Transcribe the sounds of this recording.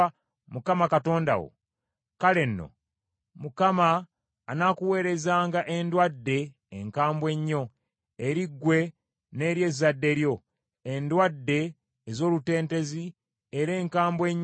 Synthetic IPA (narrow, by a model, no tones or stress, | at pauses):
mukamakato̞ːnda̰wo̰ | kale̞nːo̞̰ | mukamaː | nakuwe̞ːɾe̞zaːŋɡaʔe̞ndwadːe̞ː | ŋkaːmbwe̞ɲːo̞ | eɾiɡːwe̞ | ne̞ːɾje̞zadːe̞ɾjo̞ | endwadːe̞ː | zo̞ːlute̞ːnte̞zi | eɾe̞ːŋkaːmbwe̞ɲː